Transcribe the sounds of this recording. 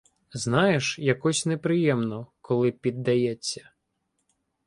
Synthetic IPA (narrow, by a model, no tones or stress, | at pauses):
znɑjeʃjɐkɔsʲnepɾɪjɛmnɔkɔlˠɪpʲid̪ːɐjɛt͡sʲːɐ̥